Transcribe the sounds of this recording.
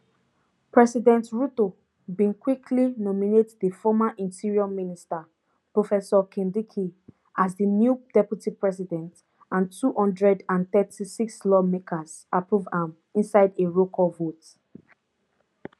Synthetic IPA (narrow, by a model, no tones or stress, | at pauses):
pɹɛsidɛ̃ntɹuto | bĩnkwikʰlinɔminetðifɔmaʔĩntiɹiɔmĩnista | pɹofɛsɔkʰĩndikʰi | azðənjud̥ɛpjutipɹɛs̬idɛ̃nt | ãntʰuhɔ̃ndɹɛdãnθɛtisikslɔmekʰaz̥ | apɹuvãm | ĩnsaɪdeɹokʰɔvot